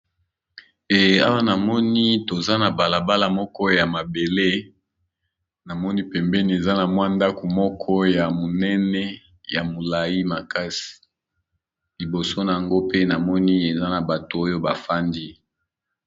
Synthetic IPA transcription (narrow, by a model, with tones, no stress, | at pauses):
e˨a̰˦wa˦na˨mɔ˦ni˦to˨za˦na˨ba˨la˨ba˦la˨mɔ˦kɔ˦ja˨ma˨be˨le˦ | na˨mɔ˦ni˦pɛ˨mbɛ˦ni˨e˨za˦na˨mwa˦nda˦ko˨mɔ˦kʰɔ˦ja˨mo˨nɛ˦nɛ˦ | ja˨mo˨la˨ji˦ma˨ka˦si̥˨ | li˨bo˨so˦na˨ja˨ŋɡo˦pe˦na˨mɔ˦ni˦e˨za˦na˨ba˨to˨o˦jo˦ba˨fa˦ndi˦